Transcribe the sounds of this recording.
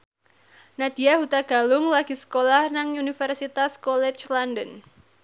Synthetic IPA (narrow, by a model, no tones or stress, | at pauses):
nad̪̥ijahut̪aɡ̥a̤lʊŋlaɡ̥i̤sə̥kolahnaŋunifɛrsit̪askɔlɛt͡ʃlandən